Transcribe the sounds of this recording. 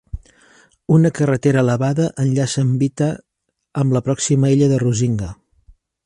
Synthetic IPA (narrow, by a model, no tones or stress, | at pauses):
unəkərət̪eɾəːləβaðəʔənʎasəmbit̪əː | mbləpɾɔksiməiʎəðəruziŋɡə